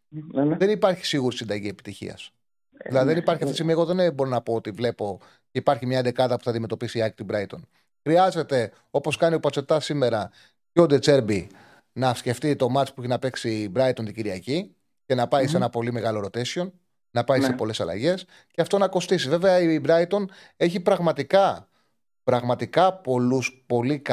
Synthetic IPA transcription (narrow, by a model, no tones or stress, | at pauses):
ðe̞nipɐɾçi̥siɣuɾisind̪ɐʝie̞pi̥t̪içḭɐ̰s | ðilɐðiðenipɐɾçiɐft̪t̪isiɣmiɐeɣo̞ðenbo̞ɾonɐpo̞ot̪ivle̞po̞ | ceipɐɾçimɲɐnd̪e̞kɐðɐpuθɐnd̪ime̞t̪o̞pisiiɐk̚t̪ibɾɐit̪o̞n | xɾiɐze̞t̪e̞ | o̞po̞skɐniopɐt͡se̞t̪ɐsime̞ɾɐ | jod̪e̞t͡se̞ɾbi | nɐfsce̞ft̪it̪o̞mɐt͡spueçinɐpe̞ksibɾɐit̪ont̪iɟiɾiɐci | ce̞nɐpɐise̞nɐpo̞lime̞ɣɐlo̞ɾo̞t̪e̞sço̞n | nɐpɐisepo̞le̞sɐlɐ̰ʝe̞s | ceɐft̪o̞nɐko̞st̪isive̞ve̞ɐibɾɐit̪o̞n | e̞çipɾɐɣmɐt̪ikɐ | pɾɐɣmɐt̪ikɐpo̞luspo̞lik